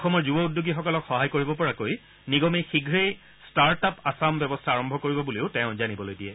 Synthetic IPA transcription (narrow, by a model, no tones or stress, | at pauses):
ɔxʰɔmɔɹzubɔudːuɡixɔkɔlɔkxɔɦajkoɹibɔpɔɹakoj | niɡɔmejxiɡʱɹej | staɹtapasambɛbɔstʰaaɹɔmbʱɔkoɹibɔbuleʊtɛ̃ʊ̃zanibɔlojdiɛ